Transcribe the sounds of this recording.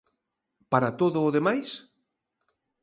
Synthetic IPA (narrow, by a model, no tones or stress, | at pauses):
paɾat̪oðʊːðemajs